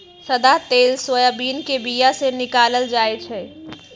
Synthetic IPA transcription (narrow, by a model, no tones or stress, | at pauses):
sɐd̪at̪eːlsojaːbiːnkebijasenɪkaːləld͡ʒaːet͡ʃʰeː